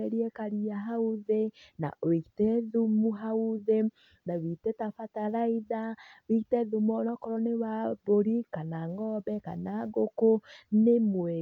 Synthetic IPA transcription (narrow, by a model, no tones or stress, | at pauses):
ɛɾiɛkaɾiaɦauðena̰ʔoikitɛðumuɦauðe | nawitɛtafataɾaiðawikitɛðumɔnɔkɔɾɔnewaboɾikanaŋɡɔbɛka̰naɡokonemwe